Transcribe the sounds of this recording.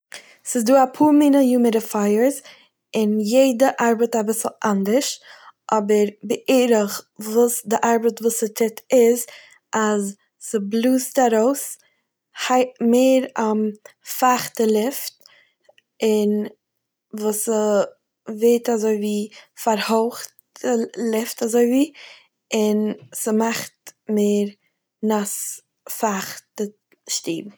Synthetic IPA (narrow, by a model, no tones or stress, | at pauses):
sɪzduːapʰuːɾminəjuːməɾəfaɪəɾz | ɪnjeɪdəʔaɾbətabɪsl̩ˠʔandəɾʃʔɔbəɾbɪʔeːɾəχvuːsdɪʔaɾbətvuːsətʰɪtʰɪz | az | səblˠuːstaɾoʊs | haɪtmeːɾamfaχtəlˠɪft | ɪn | vuːsə | veɪtazoɪviːfaɾholχt | əlɪftazoɪviː | ɪnsəmaχtmeːɾ | nas | faχtə | ʃtiːb